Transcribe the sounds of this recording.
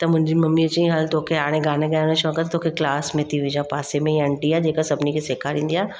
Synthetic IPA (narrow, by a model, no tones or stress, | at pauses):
t̪ɐmʊ̃ɦɪ̃ɲd͡ʒimɐmːiɐt͡ʃĩɦalt̪oːkʰeaːɽ̃ẽɡaːnẽɡəjaneʃɔːkət̪t̪ʰoːkʰeklaːsmẽt̪ʰiʋid͡ʒãpaːsemẽjɐɳʈiad͡ʒeːkasɐbnikeseːkʰaɾĩːnd̪ijaː